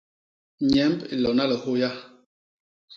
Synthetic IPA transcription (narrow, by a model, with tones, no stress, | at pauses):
ɲɛ˨˦mbi˨lɔ˨na˦lə˨ho˦ja˦